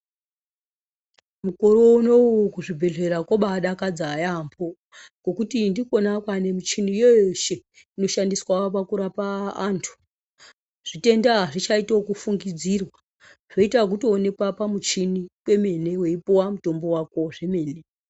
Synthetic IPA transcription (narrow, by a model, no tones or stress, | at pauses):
mukoɾouno̞kuʐibʱe̞ɮe̞ɾakoɓaɗakad͡zaːjambo | ɡ̥o̞kutindiko̞nakwane̞mit͡ʃinijojoʃe̞ | ino̞ʃandiswapakuɾapaːntʰu̥ | ʐ̥ite̞ndaɦaʐit͡ʃaitokufuŋɡid͡zirwa | ʐ̥o̞itak̬uto̞ːne̞kwapamut͡ʃinikwe̞me̞ne̞we̞ipowamuto̞mbo̞wako̞ʐe̞me̞ːne